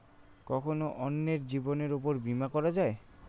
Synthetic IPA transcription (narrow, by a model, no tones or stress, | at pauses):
kɔkʰonoʔɔnːeɾd͡ʑiboneɾupoɾbimakɔɾad͡ʑae